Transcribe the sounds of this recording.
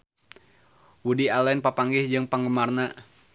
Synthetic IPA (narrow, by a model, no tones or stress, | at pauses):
wudialɛnpapaŋɡɪhd͡ʒɨŋpaŋɡəmarna